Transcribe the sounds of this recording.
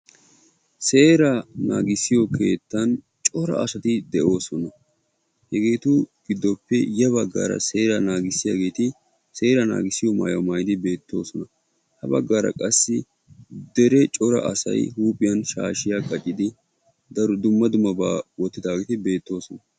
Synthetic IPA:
se̞ːɾɐnaːɡɪsɪjɔke̞ːt̪ːɐn | t͡ʃʼɔɾɐ̰ʔɐsɐt̪ɪd̪ɛʔo̞ːsɔnɐ | hɛɡe̞ːt̪ʊɡ̥ɪd̪ːɔpːɛjɐβɐɡːa̰ːɾɐ̰se̞ːɾɐnaːɡɪsːɪjaːɡe̞ːt̪ɪ | se̞ːɾɐna̰ːɡɪsːɪjɔma̰ːjɐmɐjd̪ɪbe̞ːt̪ːo̞ːsɔnɐ | hɐbɐ̰ɡːaːɾɐ̰kʼɐsːɪ | d̪ɛɾɛt͡ʃʼɔɾɐ̰ʔɐsɐ̰jɦuːpʼɪjɐnʃa̰ːʃɪjaːkʼɐt͡ʃʼːɪd̪ɪ | d̪ɐɾɔd̪ʊmːɐd̪ʊmɐbaːwɔt̪ːɪd̪aːɡeːt̪ɪbe̞ːt̪ːo̞ːsɔnɐ

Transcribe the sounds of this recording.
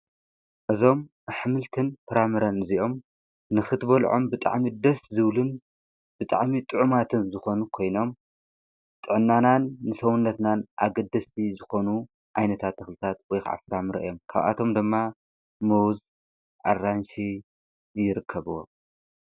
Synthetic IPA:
ʔɨzo̞m | ħɨmɨlt̪ʰɨnfɨɾamɨɾɐnɨziʔo̞m | nɨxɨt̪bɐlʕo̰mbɨt̪ʼa̰ʕmid̪ɐszɨβlɨn | b̥ɨt̪ʼa̰ʕmit̪ʼɨʕumat̪ʰɨnzɨxo̞nukʰo̞jno̞m | t̪ʼɨʕnːananːɨsɐwunːɐt̪nanʔa̰ɡɐd̪ɐsʰizɨxo̞nu | ʕajnɐt̪ʰat̪ːɐxlɨt̪ʰat̪̚wɔjkʰa̰ʕa̰fɨɾamɨɾɐ̰ʔɨ̰jo̞mkʰa̰βʔa̰t̪ʰo̞md̪ɨmːa | mɐwz | ʔa̰rːanʃi | jɪɾɨkʰːɐβɨwo̰m

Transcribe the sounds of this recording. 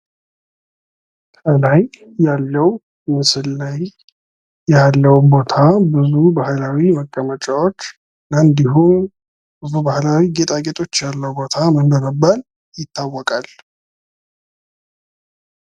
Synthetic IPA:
t̪ʰəlajː | alːəw | mɨsɨllaj | jalːəwbo̞t̪ʰabɨzubahlawiməkʼːəmət͡ʃʼawo̞t͡ʃː | nand̪iɦum | b̥ɨzubahlawiɡe̞t̪ʰʼaɡe̞t̪ʼʰo̞t͡ʃːjalːəwbo̞t̪ʰamənd̪onəbːəl | jɪt̪ːawːɔkʼal

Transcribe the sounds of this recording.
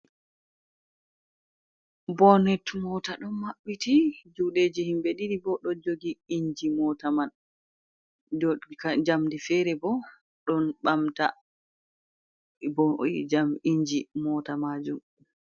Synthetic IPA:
bɔnɛtmɔtaɗɔnmaɓːitid͡ʒuɗeːd͡ʒihimbeɗiɾibɔɗɔd͡ʒoɡiiɲd͡ʒimɔtaman | d͡ʒkad͡ʒamdifɛɾɛbɔ | ɗɔnɓamta | bɔd͡ʒamiɲd͡ʒimɔtamad͡ʒum

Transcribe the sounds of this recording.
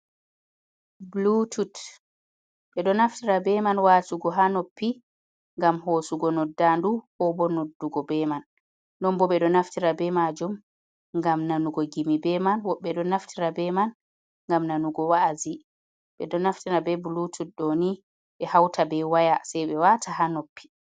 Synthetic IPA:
blutʰut | ɓɛɗɔnaftiɾabɛmanwaːsuɡɔɦanopːi | ŋɡamɦoːsuɡɔnɔdːanduhɔbɔnodːuɡɔbɛmanː | ɔmbɔɓɛɗɔnaftiɾabɛmad͡ʒum | ŋɡamnanuɡɔɡimibɛmanwɔɓːɛɗɔnaftʰiɾabɛman | ŋɡamnanuɡɔwazi | ɓɛɗɔnaftiɾabɛbulutʰut̚ɗoni | ɓɛhawtʰabɛwajasajɓɛwatʰahanopːi̥

